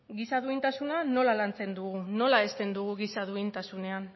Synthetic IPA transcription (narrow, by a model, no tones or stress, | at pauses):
ɡisaðuint̪asunano̞lalant͡se̞nd̪uɣuno̞laest̪e̞nd̪uɣ̞uɣisaðuint̪asune̞an